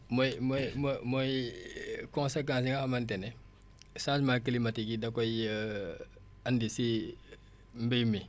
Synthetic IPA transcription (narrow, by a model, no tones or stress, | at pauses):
mɔjmɔjmɔmɔj | kɔ̃nsek̬ãns̬iŋɡahamɐntɛnɛ | sãsmakilimatikidɐkɔj | ɐndisi | mbijmi